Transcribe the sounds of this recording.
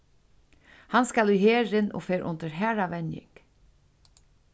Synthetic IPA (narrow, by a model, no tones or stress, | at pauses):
hanskalyheːɾɪno̰feːɾʔʊ̰nt̪əɹɦæːɾaʋɛnjɪ̰k